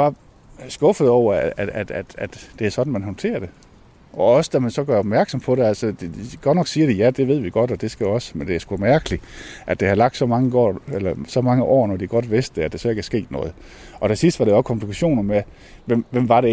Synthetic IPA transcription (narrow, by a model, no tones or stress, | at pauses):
b̥ɑ̈ | sɡ̥ɔ̽fəð̞̩ˠɒʊ̰ɐææd̥æd̥æd̥d̥e̝æɐsɒ̽d̥n̩mænɦɒ̽nt͡sʰe̝̰ːɐd̥e̝ | ʔɒ̽ɒ̽səd̥æmænsɒ̽ɡ̥ɶɐɒb̥mæɐɡ̥sɒ̽mpʰɒ̽ɾe̝ælsəd̥ɡ̥ɒdnɒ̽ɡ̥siːɐɾ̥ejæd̥e̝ʋe̝ð̞̰ˠʋiɡ̥ɒ̽d̥ɒ̽d̥e̝sɡ̥æɒ̽sə̥mend̥e̝æɐsɡ̥umæɐɡ̥əliʔæd̥e̝hɑ̈lɑ̈ɡ̥d̥sɒ̽mɑ̈ŋəɡ̥ɒ̰ːelɐsɒ̽mɑ̈ŋəʔɒ̰ːnɒd̥iɡ̥ɒ̽d̥ʋe̝sd̥d̥eæd̥esɒ̽e̝ɡ̥æɐsɡ̥e̝̰ːd̥nɔ̽ːð̞̩ˠ | ʔɒ̽t͡sʰe̝sisd̥ʋɑɾe̝ɒ̽skʰɒ̽m̥ʰlikʰæɕo̝̰ːnɐme | ʋemʋem̰ʋɑ̈ɾe